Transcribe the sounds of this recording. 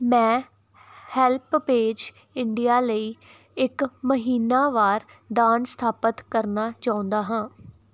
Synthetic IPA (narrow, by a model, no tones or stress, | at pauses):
mɛ̃ː | hɛːlppeːd͡ʒ | ɪɳɖijaːləiː | ɪkməɦiːnaːʋaːɾ | d̪aːnst̪ʰaːpət̪kəɾnaːt͡ʃaːʊ̃nd̪aːɦãː